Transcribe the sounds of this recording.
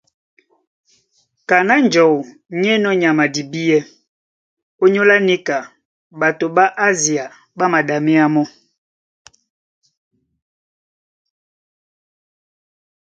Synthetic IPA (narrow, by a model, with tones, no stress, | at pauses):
ka˨na˦n˨d͡ʒɔ˨ | ɲɛ˦nɔ˦ɲa˨ma˨di˨bi˦jɛ˦ | o˦ɲo˦la˦ni˦ka˨ | ba˨to˨ba˦ʔa˦zi˨a˨ | ba˦ma˨da˨mɛ˦a˦mɔ˦